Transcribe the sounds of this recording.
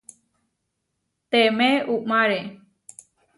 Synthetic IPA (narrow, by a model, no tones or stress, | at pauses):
t̪emeʔuʔmaɾe